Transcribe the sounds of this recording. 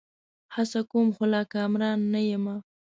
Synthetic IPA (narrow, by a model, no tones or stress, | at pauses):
hasakomxolɑkɑmɾɑnːajəma